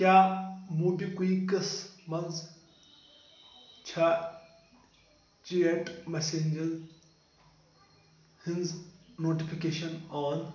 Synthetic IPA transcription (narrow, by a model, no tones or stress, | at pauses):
kʲjaːmuːbikuikɐsmɐnz | t͡ʃʰa | t͡ʃieʈmeseɲʲd͡ʒɐl | hinznoːʈipʰikeːʃɐnɔːn